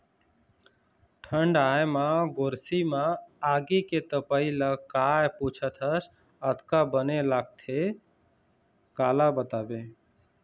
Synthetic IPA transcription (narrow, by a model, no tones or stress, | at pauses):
ʈʰəɳɖajmaɡoɾsimãaɡiket̪əpailəkajput͡ʃʰət̪ʰəs | ət̪kabənelaɡ̚t̪ʰe | kalabət̪abe